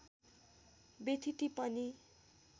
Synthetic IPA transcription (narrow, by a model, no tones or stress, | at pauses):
bet̪ʰit̪ipʌni